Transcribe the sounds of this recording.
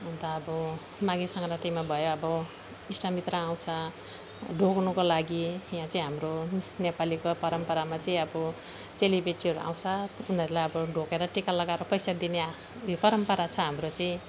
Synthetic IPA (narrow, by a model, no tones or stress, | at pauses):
ɦũnd̪aʌbʌ | mãɡisʌŋɡɾaʈimabʱʌjoʌbʌ | isʈamit̪ɾʌãw̃t͡sʰʌ | ɖʱoknukolaɡijãt͡sʌĩɦamronepalikopʌɾʌmpʌɾamat͡sʌĩʌbʌ | t͡selibʱeʈiʌɾuʔã̰w̃t͡sʰʌunʌɾulajʌbʌɖʱokeɾʌʈikalʌɡaeɾʌpʌjsad̪ine | jopʌɾʌmpʌɾat͡sʰʌɦamrot͡sʌĩ